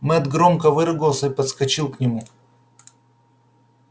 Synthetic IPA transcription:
mɛd̪ɡɾomkəvɨɾɨɡəlˠsʲəipət̪skɐt͡ɕilˠknʲɪmu

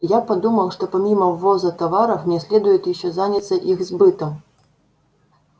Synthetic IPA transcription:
japad̪umɐwʂt̪ɔpamʲimɐwvɔzɐt̪avaɾɐwmʲɛsʲlʲɛd̪ujɛt̪ʲiʃɔzanʲit̪sɐʔixzbɨt̪ɐm

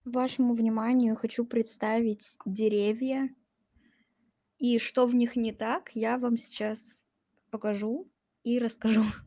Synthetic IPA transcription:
vaʂəmʊvnʲɪmanʲɪjʊxɐt͡ɕupɾʲɪt̪st̪avʲɪtʲdʲɪɾʲevʲjə | iʂt̪ovnʲixnʲɪt̪akjavamsʲɪ̥t͡ɕas | pəkɐʐu | iɾəskɐʐu

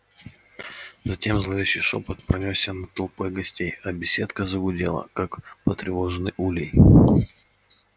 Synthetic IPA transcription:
zɐtʲe̞mzlˠɐvʲeɕɪjʂo̰pət̪pɾɐnʲosʲənət̪olˠpojɡɐsʲtʲejɐbʲɪsʲe̞t̪kəzəɡʊdʲelˠə̰kakpət̪ɾʲɪvo̞ʐɨnɨjulʲɪj

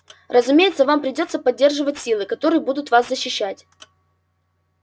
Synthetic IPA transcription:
rʔəzʊmʲejɪt̪səvampɾʲɪdʲo̞t̪səpɐdʲːe̞rʐɨvətʲsʲilˠɨkɐt̪o̞ɾɨjəbud̪ʊt̪vaszəɕːɪɕːætʲ

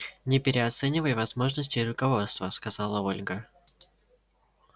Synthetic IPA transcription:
nʲɪpʲɪɾʲɪɐt̪sɛnʲɪvəjvɐzmo̞ʐnəsʲtʲɪɾʊkɐvo̞t̪st̪vəskɐzalˠəo̞lʲɡə

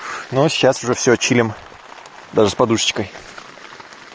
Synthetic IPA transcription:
noɕʲːasʊʐɛfsʲot͡ɕilʲɪm | d̪aʐɨspɐd̪uʂt͡ɕkəj

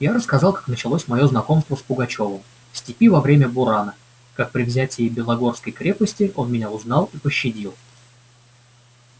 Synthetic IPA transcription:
jaɾəskɐzɑlˠkḁknət͡ɕɪlˠo̞sʲmɐjo̞znɐko̞mst̪vəspʊɡɐt͡ɕo̞vəm | fsʲtʲɪpʲivɐvɾʲemʲəbʊɾanə | kak̚pɾʲɪvzʲætʲɪːbʲɪlˠɐɡo̞rskəjkɾʲepəsʲtʲɪʔo̞nmʲɪnʲaʊznɑlˠipəɕːɪdʲilˠ

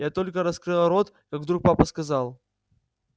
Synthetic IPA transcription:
jat̪olʲkəɾɐskɾɨlˠəɾo̞t̪kaɡvd̪ɾuk̚papəskɐzalˠ

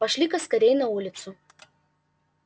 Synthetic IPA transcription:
pɐʃʲlʲɪkɐskɐɾʲɛjnɐuːlʲɪt̪sʊ

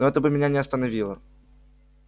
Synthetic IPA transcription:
oɛt̪əbɨmʲɪnʲanʲɪɐst̪ənɐvʲilˠə

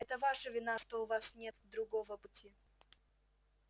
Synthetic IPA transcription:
ɛt̪əvaʂəvʲɪnaʂt̪oʊvasnʲet̪d̪ɾʊɡovəpʊtʲi

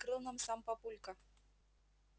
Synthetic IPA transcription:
kɾɨlˠnamsampapulʲkɐ

